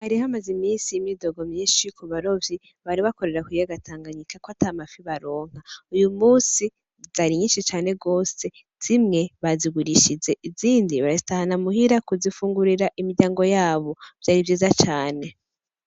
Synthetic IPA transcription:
haɾihamazimiːsijimido̞ɡo̞mɲiːʃikʰuβaɾo̞vji | βaɾiβako̞ɾe̞ɾakwijaɡatʰaːŋɡaɲikakwatamafiβaɾo̞ːŋ̥haujumuːsi | zaɾiɲiːʃit͡ʃaːne̞ɡo̞ːse̞ | z̥imŋe̞βaziɡuɾiʃize̞ʔiziːndiβaɾazitahanamuɦiɾakuzifuːŋɡuɾiɾaʔimiɾɟaːŋɡo̞jaːβo̞v̥jaːɾivjiːzat͡ʃaːne̞

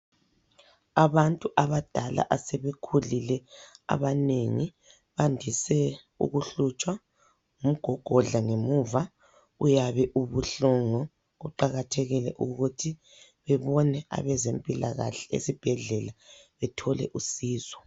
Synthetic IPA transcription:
aβantʼuʔaβad̥ʱala̰ʔasɛβekʰulilɛa̰βaneŋi | βandʱisɛ | ṵɣuɬut͡ʃʼwa | ŋum̩ɡ̥ʱɔɡ̥ʱɔɮaŋemuːva | ujaβɛʔuβuɬɔŋɔ | uǃaɣatʰɛɣilɛ̰ʔuɣutʰi | βɛβɔnɛʔa̰βɛzempʼilaɣa̰ɬɛḛsib̥ʱɛɮɛlaβɛtʰɔlɛ̰ʔusiːzɔ̥

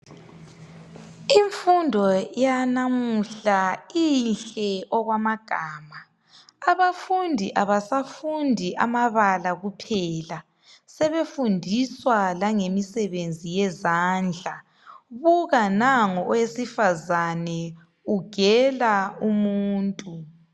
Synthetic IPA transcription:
iɱfundʱɔjanamuɬainɬɛɔɣwamaɡ̥ʱaːmaː | βafundʱiʔaβasafundʱiʔamaβalaɣupʰɛla | sɛβefundʱiswalaŋemisɛβend͡zʱijɛzaːnd͡ɮʱa | βuɣanaŋɔɔwesifazanɛ | uɡ̥ʱɛlaumuːntʼu

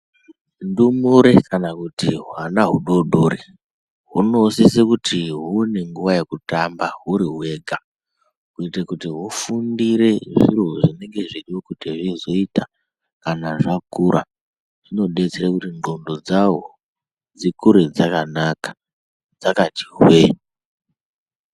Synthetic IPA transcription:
ndumuɾe̞kanakutiɦwanaɦuɗo̞ɗore | ɦuno̞sesekutʰiɦune̞ŋɡuʋaje̞kutambaɦuɾiɦwe̞ːɡʱa | kuitekutiɦufundiɾe̞ʐḭroʐine̞ŋɡe̞ʐiɗiwokutiʐizo̞ita | kanaʐakuɾʔa̰ | ʐ̥ino̞ɗe̞t͡seɾekutiŋɡo̞ndo̞d͡zawo | d͡zikuɾed͡zakanakḁ | d͡zakati̥ɦwe

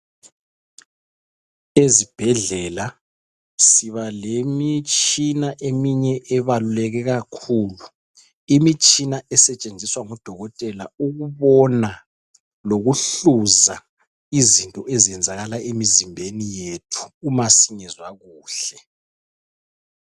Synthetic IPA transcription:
ezib̥ʱɛɮɛla | siβalemit͡ʃʼinaʔemiɲɛʔɛβalulɛɣɛɣakʰuːlu | imit͡ʃʼinaɛsɛt͡ʃʼend͡zʱiswaŋɔd̥ʱɔɣɔtʼɛla̰uɣuβɔna | loɣuɬuza | izintʼɔʔeziɛnd͡zʱaɣalaʔemizimbʱenijetʰu̥ːmasiŋɛzwaɣuːɬɛ

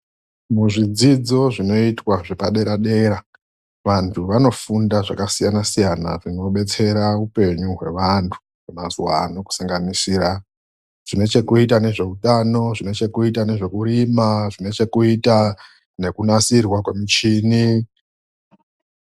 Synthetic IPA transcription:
muʐid͡zid͡zo̞ʐino̞itwaʐepaɗe̞ɾaɗe̞ɾa | ʋantʰuʋano̞fundaʐakasijanasijana̰ʐino̞ɓe̞t͡se̞ɾaupe̞ɲuɦwe̞̰ʋantʰu̥ | kumazuwa̰noku̥saŋɡanisiːra | ʐ̥ine̞t͡ʃe̞kuitane̞ʐe̞utano̞ʐine̞t͡ʃe̞kuitane̞ʐe̞kuɾimaʐine̞t͡ʃe̞kuita | ne̞kunasirwakwe̞mit͡ʃiːni

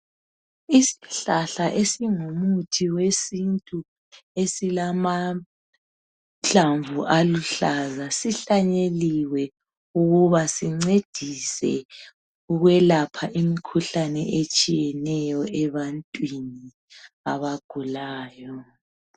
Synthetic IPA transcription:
isi̥ɬaɬaʔesiŋumutʰiwesintʼu | esilama | t͡ɬaɱvuʔaluɬazasiɬaɲeliwɛ | uɣuβasiŋ͡ǀed̥ʱisɛ̰ | uɣwɛlapʰaʔimikʰuɬanɛʔet͡ʃʼijɛnɛjɔɛβantʼwini | aβaɡ̥ʱulaːjɔ

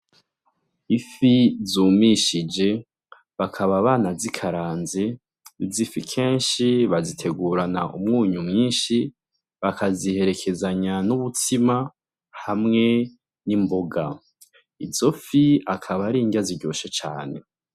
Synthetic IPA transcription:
ifizuːmiʃid͡ʒe̞ | βakʰaβaβaːnazikʰaɾaːnze | zifikʰe̞ːnʃiβazitʰe̞ɡuːɾanaʔṵmŋuːɲumŋiːnʃi | βakʰazihe̞ɾe̞kʰe̞zaɲanuβutʰima | hamŋe̞ | nimboɡa | izo̞fiakʰaβaɾiːɲɟaziɾɟo̞ʃet͡ʃa̰ːne̞̰

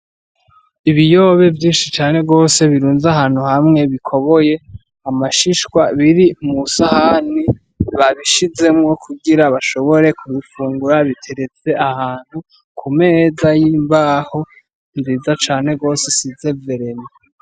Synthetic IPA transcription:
iβijo̞ːβe̞vjiːnʃit͡ʃaːne̞ɡo̞ːse̞βiɾuːnzaɦaːn̥huhamŋe̞βikʰo̞βo̞je̞ | amaʃiʃkwaβiɾimusahani | βaβiʃize̞mŋo̞kʰuɡiɾaβaʃo̞βo̞ɾe̞kuβifuːŋɡuɾaβitʰe̞ɾet͡se̞ʔahaːn̥hu | kʰume̞zajimbaːho̞ | nziːzat͡ʃaːn̥e̞ɡo̞ːse̞size̞ve̞ɾeme

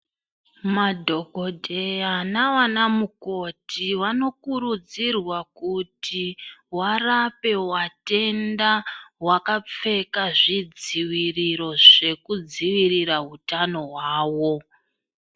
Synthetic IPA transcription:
madʱo̞ɡʱo̞dʱeanaʋanamuko̞tʰiʋano̞kuɾud͡zirwakutiwarape̞wate̞ndawakap͡fe̞kaʐid͡ziwiriɾo̞ʐe̞kud͡ziwiriɾaɦutano̞ɦwaːwo̞

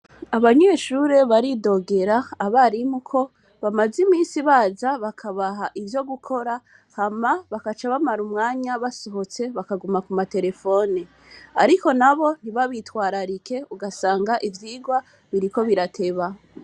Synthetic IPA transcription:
aβaɲe̞ʃuɾe̞βaɾido̞ɡe̞ɾaːβaɾimukʰo̞ | βamazimiːnsiβaːzaβakʰaβaɦaʔivjo̞ɡukʰo̞ɾa | hamaβakat͡ʃaβamaɾumŋaːɲaβasoɦo̞t͡se̞βakaɡumakumate̞ɾe̞fo̞ːni | aɾiko̞naβo̞n̥iβaβitwaːɾaɾike̞uɡasaːŋɡaʔivjiːɡwa | βiɾiko̞βiɾatʰe̞βa

